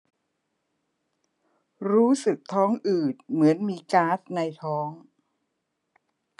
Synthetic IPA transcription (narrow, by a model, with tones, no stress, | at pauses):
ɾuː˦˥sɯ˨˩k̚t̪ʰɔː˦˥ŋʔɯː˨˩t̪̚mɯ˩˦ənmiː˧kaː˦˥sna˧jt̪ʰɔː˦˥ŋ